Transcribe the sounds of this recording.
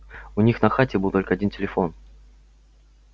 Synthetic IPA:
ʊnʲixnɐxatʲɪbɨlˠt̪o̞lʲkəɐdʲintʲɪlʲɪfo̞n

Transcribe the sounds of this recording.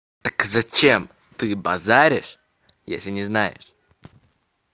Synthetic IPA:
t̪t̪ə̥kzɐt͡ɕem | t̪ɨbɐ̰zaɾʲɪʂ | jḛsʲlʲɪnʲɪznajɪ̰ʂ

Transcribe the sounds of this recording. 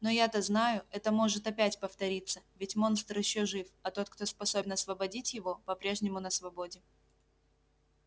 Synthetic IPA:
nojat̪aznajʊɛt̪əmo̞ʐɨt̪ɐpʲætʲpəft̪ɐɾʲit̪sːəvʲɪtʲmo̞nst̪ɾɪɕːoʐɨfɐt̪o̞t̪̚kt̪o̞spɐso̞bʲɪnɐsvəbɐdʲitʲjɪvo̞pɐpɾʲe̞ʐnʲɪmʊnəsvɐbo̞dʲɪ

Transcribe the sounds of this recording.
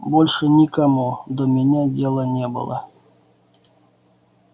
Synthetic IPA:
bolʲʂɨnʲikamud̪omʲɪnʲadʲelˠənʲebɨ̰lˠə̰

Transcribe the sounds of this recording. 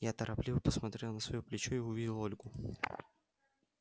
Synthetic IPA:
jat̪əɾʔɐplʲivpəsmɐt̪ɾʲelˠnəsvɐjoplʲɪt͡ɕoɪʊvʲidʲɪlˠo̞lʲɡʊ

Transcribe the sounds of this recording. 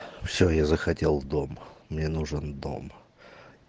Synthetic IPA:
fsʲɵjazəxɐtʲelˠd̪o̞mmnʲenuʐənd̪o̞̰m

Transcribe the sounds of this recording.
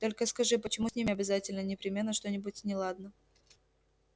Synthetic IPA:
t̪o̞lʲkəskɐʐɨpət͡ɕɪmusʲnʲimʲɪɐbʲɪzatʲɪlʲnənʲɪpɾʲɪmʲe̞nːəʂt̪o̞nʲɪbʊtʲnʲɪlˠad̪nə

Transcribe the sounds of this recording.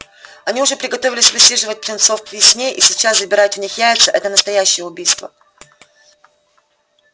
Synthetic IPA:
ɐnʲiʊʐɛpɾʲɪɡɐt̪ovʲɪlʲɪsʲvɨsʲiʐɨvət̚ʲplʲɪnt̪sofvʲɪsʲnʲeʔisʲɪt͡ɕaszəbʲɪɾajʊtvnʲixjæɪt̪səʔɛt̪ənəst̪ɐjæɕːɪjəʊbʲijst̪və̰

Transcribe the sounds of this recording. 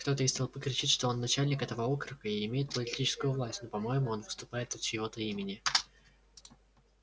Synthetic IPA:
kt̪o̞t̪əɪsʲt̪ʲelˠpɨkɾʲɪt͡ɕitʲʂt̪o̞o̞nːɐt͡ɕælʲnʲɪkɛt̪əvəokɾɨkəɪɪmʲejɪt̪̚pəlʲɪtʲit͡ɕɪ̥skʊjʊvlˠasʲtʲnopɐmo̞jɪmʊo̞nvɨst̪ʊpajɪt̪ɐt̪t͡ɕɪvo̞t̪əimʲɪnʲɪ

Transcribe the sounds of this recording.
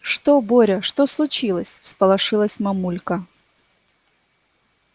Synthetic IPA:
ʂt̪oboɾʲəʂt̪oslˠʊt͡ɕilˠəsʲfspəlˠɐʂɨlˠəsʲmɐmulʲkə

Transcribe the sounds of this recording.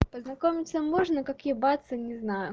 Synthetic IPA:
pəznɐkomʲɪt̪səmoʐnəkakjɪbat̪sənʲɪznajʊ

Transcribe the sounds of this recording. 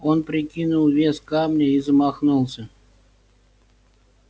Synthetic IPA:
o̞npɾʲɪkʲinʊlˠvʲeskamnʲəizəmɐxnulˠsʲə

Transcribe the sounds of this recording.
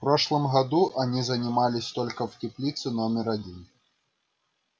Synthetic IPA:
fpɾoʂlˠəmɣɐd̪uʔɐnʲizɐnʲɪmalʲɪsʲt̪olʲkəftʲɪplʲit̪sɨnomʲɪɾɐdʲin

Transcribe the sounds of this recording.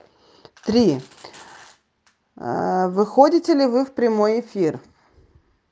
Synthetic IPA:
t̪ɾʲi | vɨxodʲɪtʲɪlʲɪvɨfpɾʲɪmo̞jɪfʲir

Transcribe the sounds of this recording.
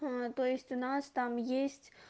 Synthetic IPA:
t̪oestʲunast̪amjesʲt͡sʲ

